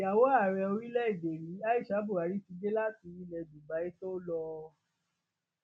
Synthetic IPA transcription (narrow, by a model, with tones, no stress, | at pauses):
ja˨wo˦a˦˨ɾɛ˧o˧ɾi˦lɛ˦i˦˨de˨ɾi˨˦a˦i˦˨ʃa˨˦bu˦˨a˨˦ɾi˦ti˧d͡ʒe˦la˦ti˧˦i˦lɛ˧˨du˨ba˨˦i˦to˦lɔ˧